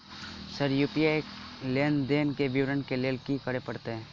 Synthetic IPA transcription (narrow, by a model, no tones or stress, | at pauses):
səɾjuːpiekleːnd̪eːnkebiʋɾənkeleːlkikəɽepɐɽt̪eɦɛ̃ː